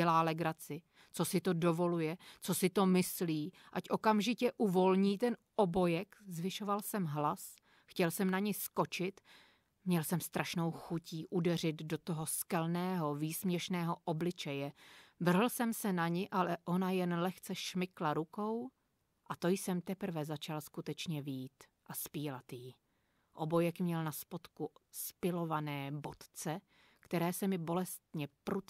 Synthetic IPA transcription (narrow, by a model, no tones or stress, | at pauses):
ɛlaːlɛɡɾat͡sɪ | t͡so̞sɪt̪o̞do̞vo̞lujɛt͡so̞sɪt̪o̞mɪsliː | ʔacʔo̞kamʒɪcɛʔuvo̞lɲiːt̪ɛnʔobo̞jɛkzvɪʃo̞valsɛmɦlas | xcɛlsɛmnaɲɪsko̞t͡ʃɪt̪ | mɲɛlsɛmst̪ɾʔaʃno̞wxuciːʔudɛr̝ɪt̪do̞t̪o̞ɦo̞skɛlnɛːɦo̞viːsmɲɛʃnɛːɦo̞ʔo̞blɪt͡ʃɛjɛvr̩ɦl̩sɛmsɛnaɲɪʔalɛʔo̞najɛnlɛxt͡sɛʃmɪklaɾuko̞w | ʔat̪o̞jsɛmt̪ɛpr̩vɛzat͡ʃalskut̪ɛt͡ʃɲɛviːt̪ | ʔaspiːlat̪ji | ʔo̞̰bo̞jɛkmɲɛlnaspot̪kuspɪlo̞vanɛːbo̞t̪t͡sɛ | kt̪ɛɾɛːsɛmɪbo̞lɛst̪ɲɛpɾu